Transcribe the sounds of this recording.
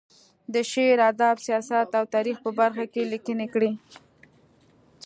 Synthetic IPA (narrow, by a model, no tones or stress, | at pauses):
d̪əʃeɾad̪ɑbsijɑsat̪awt̪ɑɾixpəbaɾxakelikənekɽi